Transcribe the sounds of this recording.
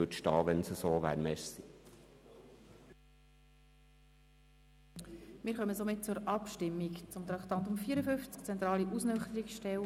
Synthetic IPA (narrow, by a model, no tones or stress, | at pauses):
øtʃtɑːʋɛnsəsoːʋæ̰ːɾmɛʃsi | mɪːɾχœməsomɪt̚t͡sʊɾɑpʃtɪmːikt͡sʊmt̪ɾɑkt̪ɑnt̪ʊmfiːəɾəfʏnft͡skt͡sɛnt̪ɾɑːliʔusnœχt̪əɾiksʃtɛl